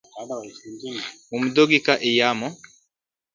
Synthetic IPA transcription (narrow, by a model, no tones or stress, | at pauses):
umudoɡikaʔejamɔ